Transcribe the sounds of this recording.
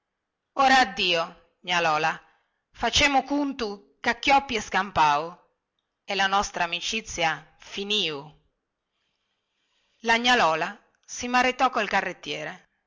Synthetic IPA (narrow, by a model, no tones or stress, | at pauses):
oːɾaːd̪ːiːo | ɲalɔːla | fat͡ʃɛːmʊkunt̪u | kakːjɔpːiɛskampaːu | ɛlanɔst̪ɾaːmit͡ʃit̪sːja | finiːu | laɲːalɔːla | simaɾit̪ɔkːoilkarːet̪ːjɛːɾe